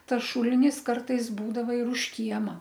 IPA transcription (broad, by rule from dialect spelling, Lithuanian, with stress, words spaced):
ˈtɐs ˈʃʊlʲɪnʲɪs ˈkɐrtɐɪs ˈbuːdɐʋɐ ɪr ʊʃ ˈkʲiɛmɐ